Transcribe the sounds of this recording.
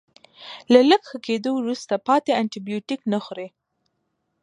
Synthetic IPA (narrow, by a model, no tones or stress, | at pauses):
laləkxəked̪owɾust̪apɑt̪eaɳʈibijoʈiknaxɾe